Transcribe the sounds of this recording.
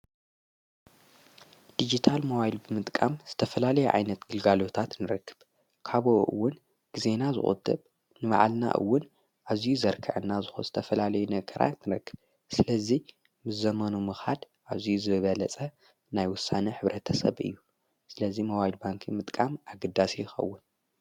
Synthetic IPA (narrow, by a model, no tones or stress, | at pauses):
d̪̥id͡ʒit̪ʰalmo̞βajlbɨmɨt̪ʼkʼamz̥ɨt̪ʰɐfɐlalɐjuʕa̰jnɐt̪ɡɨlɡalo̞t̪ʰat̪nɨɾɐkʰːɨb | kʰaβoʔɨ̰wːʊn | ɡ̥ize̞nazɨ̰χʼṵd̪ɨβ | nɨβa̰ʕlna̰ʔɨ̰wːʊn | ʔazijuzɐɾkʰɨ̰ʕɨnːazɨxoz̥ɨt̪ʰɐfɐlalɐjunɐɡɐɾa̰t̪nɨɾɐkːɨ̥b | sɨlɐzi | mɨzɐmɐnumɨxad̪ | ʔaβzijuzɨβɨβɐlɐt͡sʼɐ | najwʊsːanɐħɨβɾɐt̪ʰɐsɐ̰βɨ̰jːu | sɨlɐzimo̞βajlbaŋkʰimɨt̪ʼkʼamaɡɐd̪ːasijɪxɐ̰wːʊn